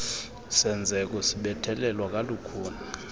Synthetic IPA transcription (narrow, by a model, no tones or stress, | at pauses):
sɛnd͡zʱɛk̬ʼɔsiɓɛtʰɛlɛlwak̬ʼalukʰuːna